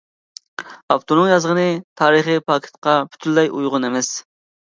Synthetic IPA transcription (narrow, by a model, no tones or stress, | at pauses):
ɑpt̪onɨŋjɑzʁənɨt̪ʰɑːɾəχipʰɑːkʰʲi̥t̪̚qʰɑpʰy̥t̪ʰylːɛjujʁʊnemɛs